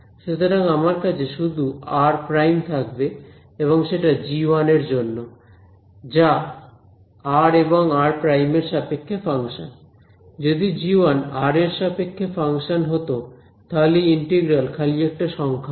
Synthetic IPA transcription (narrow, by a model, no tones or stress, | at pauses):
ʃet̪ʰoɾaŋamaɾkat͡ɕʰeʃud̪uaɾpɾajmt̪ʰakbe | eβoŋʃeʈad͡ʑiwaneɾd͡ʑonːo | d͡ʑa | aɾeboŋaɾpɾajmeɾʃapekʰːefaŋʃon | d͡ʑod̪id͡ʑiwanaɾeɾʃapekʰːefaŋʃonɦot̪o | t̪ʰaliiɳʈeɡɾalkʰalijɛk̚ʈaʃɔŋkʰa